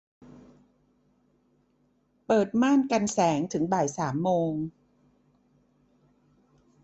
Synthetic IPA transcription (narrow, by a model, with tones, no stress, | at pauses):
pɤː˨˩t̪̚maː˥˩nka˧nsɛː˩˦ŋt̪ʰɯ˩˦ŋbaː˨˩jsaː˩˦mːoː˧ŋ